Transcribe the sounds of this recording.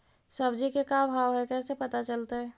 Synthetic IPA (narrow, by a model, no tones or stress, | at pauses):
səbd͡ʒikekabʱaːwɦɛkɛːsepət̪at͡ʃəlt̪aɦɛ